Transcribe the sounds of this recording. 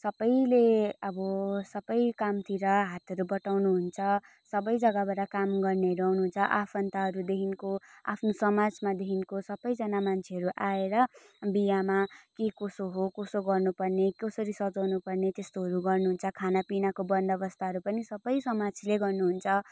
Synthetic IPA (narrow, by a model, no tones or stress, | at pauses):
sʌbʌjleʌbʌsʌbʌjkamt̪iɾʌɦat̪ʰʌɾubʌʈawnuɦunt͡sʰʌ | sʌbʌjd͡zʌɡabaɽakamɡʌrneɦʌɾuawnuɦunt͡sʰʌʔapʰʌnt̪aɦʌɾud̪eɦinkoa̰pʰnosʌmad͡zmad̪eɦinkosʌbʌjd͡zʌnamant͡sʰeɦʌɾuʔaeɾʌ | bijamakekosoɦokosoɡʌrnupʌrnekʌsʌɾisʌd͡zʌwnupʌrnet̪est̪oɦʌɾuɡʌrnuɦunt͡sʰʌkʰanapinakobʌnd̪ʌbʌst̪ʰaɦʌɾupʌnisʌbʌjsʌmad͡zleɡʌrnuɦunt͡sʰʌ